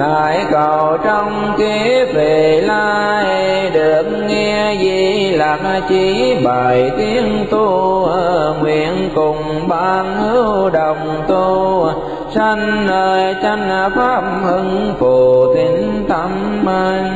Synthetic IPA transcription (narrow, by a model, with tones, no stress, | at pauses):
ɗaː˨˦jkɔ˨˩wt͡ɕɔ˧wŋ͡mki˨˦ve˨˩laː˧ | jj | ɗɨɨ˨˩ək̚ŋɛ˧zi˨˩laː˨˩mʔa˧t͡ɕi˧˦ɓaː˨˩jt̪i˧˦ənt̪u˧ | ŋwḭ˧˨ənkʊ˨˩ŋ͡m | ɓaː˧˩nhɨ˨˦wɗə˨˩wŋ͡mt̪u˧ | sa˧ŋ̟ːəː˧jt͡ɕa˧ŋ̟a˧faː˦˥p̚hɨ˧ŋfo˨˩t̪i˨˦nt̪a˧˦m | ma˧j